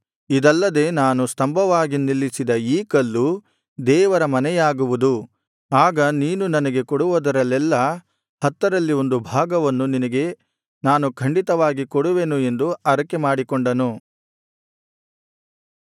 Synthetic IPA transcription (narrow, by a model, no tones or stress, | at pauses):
id̪ɐlːɐd̪e̞ːnaːnust̪ɐmbʱɐʋaːɡinilːisid̪ɐiːkɐlːu | d̪ɛːʋɐɾɐmɐnɛjaːɡuʋud̪u | aːɡɐniːnunɐnɐɡe̞kɔɽuʋɐd̪ɐɾɐlːɛlːɐ | hɐt̪ːɐɾɐlːio̞nd̪ubʱaːɡɐʋɐnːuninɐɡe̞ | naːnukʰɐɳɖit̪ɐʋaːɡikɔɽuʋe̞ːnue̞nd̪uɐɾɐkemaːɽikɔɳɖɐnu